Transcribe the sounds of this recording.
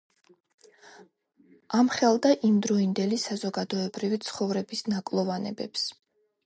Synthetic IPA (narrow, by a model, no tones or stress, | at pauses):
amχɛlˠd̪aʔimd̪ɾɔind̪ɛlisazɔɡad̪ɔɛbɾivit̪sʰχɔvɾɛbisnakʼlˠɔvanɛ̰bɛ̰ps